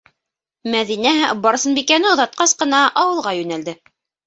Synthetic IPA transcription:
mæðinæbɑɾsɤnbikænɘŏðɑt̪̚qɑsqɤ̆nɑʔɑwɤ̆lˠʁɑjʉnæld̪ɘ

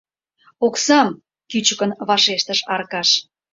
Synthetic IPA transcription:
oksɑm | kyt͡ɕəkənβɑʃeʃt̪əʃɑrkɑʃ

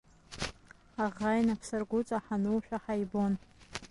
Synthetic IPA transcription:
aʁajnapʰsarɡʷʊt͡sʼaħanuwħᶣʷaħajbo̞n

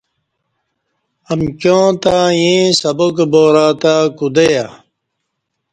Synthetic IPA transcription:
ɐmkjõːt̪aːjĩːsɐbokboːɾaːt̪aːkud̪eja

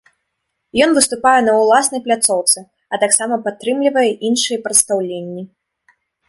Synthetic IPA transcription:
jɔnvɨst̪upajɛnɐwlˠasnɐjplʲat̪sɔwt̪sɨ | ɐt̪aksamɐpat̪ːɾɨmlʲivɐjɛʔinʂɨjɛpɾɐt̪st̪awlʲenʲːi

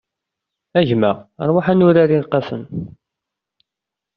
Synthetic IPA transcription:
æʝmæɾˤwaħænʊɾaɾiɾqɑsə̰n

